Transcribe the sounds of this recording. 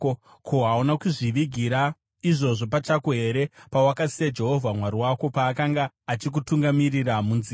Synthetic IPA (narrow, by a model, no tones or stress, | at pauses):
kʰoɦaunakuʐiʋiɡʱiɾa | iʐo̞ʐo̞pat͡ʃakoɦe̞ɾe̞pawakasijad͡ʒe̞ɦo̞vʱamwaɾiwako̞paːkaŋɡaːt͡ʃik̬utuŋɡamiriramunzi